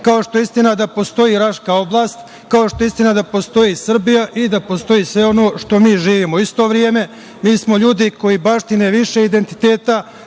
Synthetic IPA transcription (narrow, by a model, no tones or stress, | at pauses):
kaoʃt̪o̞eist̪inad̪apo̞st̪o̞jiɾaʃkao̞blˠaːst̪ | kao̞ʃt̪o̞ist̪inad̪apo̞st̪o̞jisr̩bijaʔid̪apo̞st̪o̞iːsʋe̞o̞noːʃt̪o̞miːʒiːʋiːmoist̪o̞ːʋɾjeːme̞ | miːsmo̞ʎuːd̪iko̞jibaʃt̪ineʋiʃeid̪e̞nt̪i̥t̪e̞ːt̪a